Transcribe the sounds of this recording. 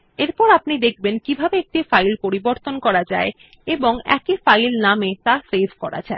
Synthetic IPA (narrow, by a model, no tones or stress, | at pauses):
eɾpɔɾapnid̪ek̚ʰbenkibʱabeek̚ʈifajlpoɾiboɾt̪onkɔɾad͡ʑae | eboŋɛ̰kifajlnamet̪asebʱkɔɾa̰d͡ʑae